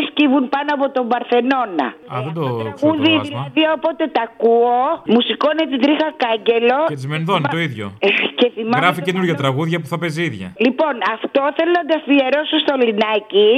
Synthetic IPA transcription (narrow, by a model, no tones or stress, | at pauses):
scivunpɐnoɐpo̞t̪o̞mbɐɾθe̞no̞nɐ̰ɐðed̪oɣuðiilɐðiopo̞t̪e̞t̪ɐkuomusikonet̪it̪ɾixɐkɐɲɟe̞lo̞et̪izmeniðont̪oiðʝo̰ce̞θimɐɣɾɐficenuɾʝɐt̪ɾɐɣuðʝɐpuθɐpeziðʝɐ̰lipo̞nɐft̪o̞θelonɐd̪ɐfieɾo̞sust̪olinɐci